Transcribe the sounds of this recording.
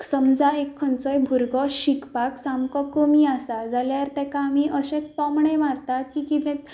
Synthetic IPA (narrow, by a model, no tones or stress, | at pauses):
səmd͡zaekʰːənt͡sɔjbʱuɾɡɔɕikpaksamkɔkəmiasad͡zaljaɾt̪ɛ̃kaːmiʔəɕẽpɔmɳemaɾt̪at̪̚kikit̪ɛ̃